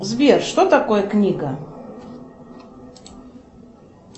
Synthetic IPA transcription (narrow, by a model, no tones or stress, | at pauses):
zbʲerʂt̪ot̪ɐkojəknʲiɡə